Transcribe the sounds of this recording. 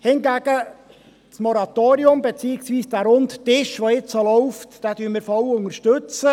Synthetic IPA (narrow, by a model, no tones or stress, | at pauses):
hɪnɡæɡ̥ə | t͡smɔɾɑt̪oːɾiʊmbet͡siːɪksʋiːsd̥æːɾʊnttɪʃʋoɪt͡ssolɔʊftd̥æːdyːnmɪːɾfɔwʊnəʃtøt͡sə